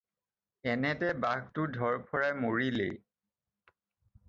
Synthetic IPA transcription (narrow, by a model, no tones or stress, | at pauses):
ɛnɛtɛbaɡtʊdʱɔɹpʰɔɹajmoɹilḛj